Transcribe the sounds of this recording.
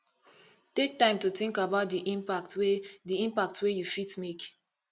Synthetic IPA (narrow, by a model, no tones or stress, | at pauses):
tek̚tãɪ̃mtutĩŋkabaʊt̚diʔĩmpak̚twediĩmpak̚twejufitmek